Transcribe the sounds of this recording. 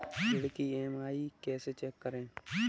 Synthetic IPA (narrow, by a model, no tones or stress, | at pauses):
ɪɽkieːmaːikɛːset͡ʃɛːkːəɾẽː